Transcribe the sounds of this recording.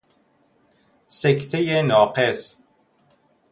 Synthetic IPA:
sekt̪ʰejenɒːqes

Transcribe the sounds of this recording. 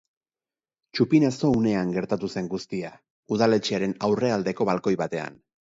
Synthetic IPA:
t͡ʃupinaso̞une̞aŋɡe̞ɾt̪at̪use̞ŋɡust̪ia | uðale̞t͡ʃeaɾe̞nawre̞ald̪e̞ko̞βalko̞jβat̪e̞a̰n

